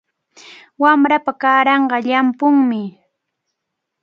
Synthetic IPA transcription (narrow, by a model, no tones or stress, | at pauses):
wamɾapakaːɾɑɴɢɑʎampʊŋmɪ